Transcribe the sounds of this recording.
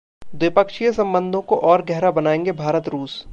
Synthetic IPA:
d̪wɪpəkʃijsɐ̃mbə̃nd̪ʱõkoʔɔːɾɡɛɦɾabɐnaːẽːŋɡebʱaːɾət̪ɾuːs

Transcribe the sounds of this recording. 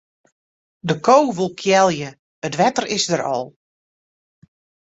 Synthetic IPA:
dəkʰowʋulˠkʰjɛlˠjə | ətʋɛtərɪzdəɾɔ̰lˠ

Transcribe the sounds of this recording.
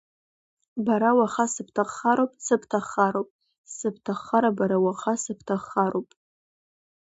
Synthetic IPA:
baɾawaχasɨp̚ʰtʰaχaɾowpʼsɨpʰtʰaχaɾowpʼ | sɨp̚ʰtʰaχːaɾabaɾawaχasɨpʰtʰaχaɾowpʼ

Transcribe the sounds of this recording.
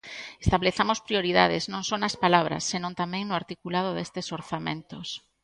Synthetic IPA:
e̥st̪aβleθamospɾioɾiðaðɪznõŋsonɐspalaβɾɐ̰sːenõnt̪amẽŋnʊaɾt̪ikulað̞ʊðest̪esoɾθamḛ̃nt̪os

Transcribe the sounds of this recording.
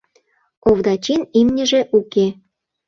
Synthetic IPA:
oβd̪ɑt͡ɕinimnʲə̆ʒĕʔuke

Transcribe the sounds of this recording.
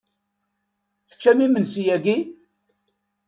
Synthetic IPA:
θə̥t͡ʃːæmimənsijæɡi

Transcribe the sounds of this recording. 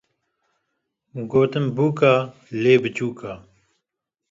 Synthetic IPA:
ɡoːt̪əmbuːkaː | leːbɨt͡ɕuːkaː

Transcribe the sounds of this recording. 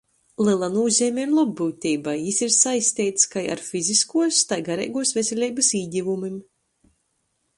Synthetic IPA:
lˠɨlˠanuːzʲɛːmʲɛɾlˠɔbːuːt̪ʲiːbajjisiɾsajsʲt̪iːt̪skaja̰ɾfiziskuɔst̪ajɡaɾɛ̰jɡuɔsvʲesʲelʲiːbɨsiːɟʲivumim

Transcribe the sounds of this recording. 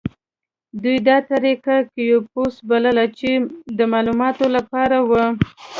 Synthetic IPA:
d̪ujd̪ɑt̪aɾikakijoposbaləlat͡ʃed̪əmɑlumɑt̪olapɑɾawə

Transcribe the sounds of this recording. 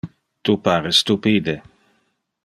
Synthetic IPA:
t̪upaːɾest̪upiːd̪e

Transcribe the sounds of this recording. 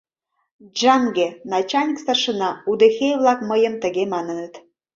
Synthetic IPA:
d͡ʒɑŋɡenɑt͡ɕɑlʲnʲikst̪ərʃə̆nɑud̪exeβlɑkməjə̆mt̪ə̆ɣemɑnə̆nət̪

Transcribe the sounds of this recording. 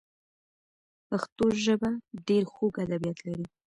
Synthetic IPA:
paxt̪oʒəbaɖeɾxoɡad̪abijat̪laɾi

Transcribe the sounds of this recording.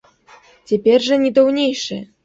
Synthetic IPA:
t͡sʲapʲɛrʐɐnʲɛd̪ɔwnʲejʂɨ̰

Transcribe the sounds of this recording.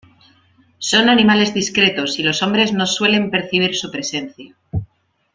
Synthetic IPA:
so̞nanĩmale̞zðiskɾe̞t̪o̞silo̞so̞mbɾe̞zno̞swe̞le̞mpe̞ɾθiβ̞iɾsupɾe̞se̞n̟θja

